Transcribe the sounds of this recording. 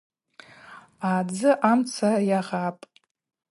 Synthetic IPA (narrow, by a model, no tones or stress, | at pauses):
aːd͡zɨʔamt͡sʰarjaʁapʼ